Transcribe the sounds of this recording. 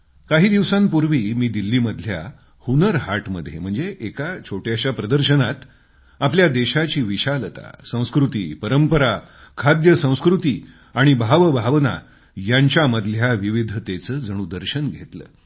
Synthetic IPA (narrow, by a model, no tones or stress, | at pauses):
kaɦiːd̪iʋsãmpuɾʋiːmiːd̪ilːiːməd̪ʱlja̰ | hunəɾɦaʈməd̪ʱjem̤əɳd͡zeʔekat͡ɕʰoʈjaɕjapɾəd̪əɾɕənat̪ | apljad̪eɕat͡ɕiːʋiɕalət̪a̰sə̃w̃skɾut̪ḭːpəɾəmpəɾakʰad̪jəsə̃w̃skɾut̪iː | aɽ̃ibʱaʋbʱaʋna̰ | jaɲt͡ɕjaməd̪ʱljaʋiʋid̪ʱt̪et͡səːd͡zəɽ̃ud̪əɾɕənɡʱet̪lə̰ː